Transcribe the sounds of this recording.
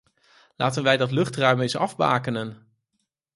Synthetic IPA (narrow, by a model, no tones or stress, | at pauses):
laːtənʋɛjdɑtlɵχtrœɥmɪsɑvba̰ːkənən